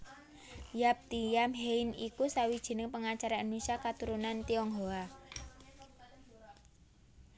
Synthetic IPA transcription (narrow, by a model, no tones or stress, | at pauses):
jap̚t̪ijamɦeinikusawid̥ʒ̥i̤nɪŋpəŋat͡ʃaɾaanuŋsiakat̪uɾunant̪iɔŋɦoa